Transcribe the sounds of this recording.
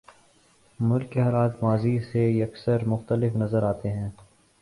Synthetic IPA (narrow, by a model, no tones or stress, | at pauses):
mʊlkːeɦaːlaːt̪maːziseɐksəɾmʊxt̪əlɪfnɐzəɾaːt̪eɦɛ̃ː